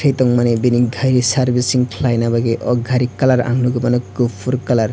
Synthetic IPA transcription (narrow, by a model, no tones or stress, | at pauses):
ejt̪ɔŋmanebiniɡʱajɾisaɾbisiŋkʰlajnabaɡeʔɔɡʱaɾikːalaɾa̰ŋluɡɯmanɔkopʰuɾkalaɾ